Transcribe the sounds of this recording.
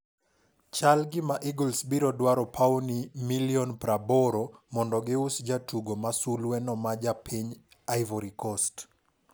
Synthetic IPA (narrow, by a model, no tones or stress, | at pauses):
t͡ʃalɡɪmaʔiɡɔlsbiɾɔdwaɾɔpʰaɔnimiliɔnpɾabɔɾɔmɔndɔɡɪusd͡ʒatuɡomasulwɛnɔmad͡ʒapʰiɲ | ajvɔɾikɔst